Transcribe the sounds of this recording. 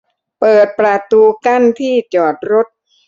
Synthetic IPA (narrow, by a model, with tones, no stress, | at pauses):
pɤː˨˩t̪̚pɾa˧t̪uː˧ka˥˩nt̪ʰiː˥˩t͡ɕɔː˨˩t̪̚ɾo˦˥t̪̚